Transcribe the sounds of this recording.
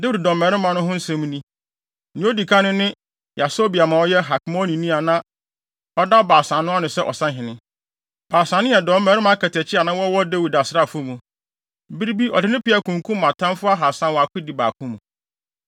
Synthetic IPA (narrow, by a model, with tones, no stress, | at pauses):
de˦wu˨d̚dɔ˨mɛ˨ɾɪ˦mã˨nʊ̃˦ɦʊ̃˦n̩˦sɛ̃˦m˦nĩ˦˨ | nĩ˦o˦di˨kʰa˦nʊ̃˦nɪ̃˦ | ja˨so˦bi˨a˨mã˨ɔ˦jɛ˦ɦa˨kmɔ̃˦nĩ˨nĩ˦a˨nã˦ | ɔ˦da˦baː˨sã˨nːʊ̃˦a˦nʊ̃˨sɛ˦ʔɔ̰˨sã˦ɦɪ̃˨nɪ̃˦ | b̥aː˨sã˨nɪ̃˦jɛ˨dɔ˨˦m˦mɛ˨ɾɪ˦mã˨˦kʰɛ˨tʰɛ˨t͡ɕʰɪ˦a˨nã˦wɔ˦wɔ˦de˦wu˨da˨sɪ˦ɾa˦˨fʊ˦mũ˨ | bi˦ɾi˦bi˦ɔ̰˨dɪ˨˦nɪ̃˦pɪ˦a˨kʰũ˨ŋ˨kʰũ˦m˦ã˨tʰã˦nfʊ˦a˦ɦa˨sã˦wɔ˨a˨kʰʊ˦di˨ba̰˨kʰũ˦mũ˨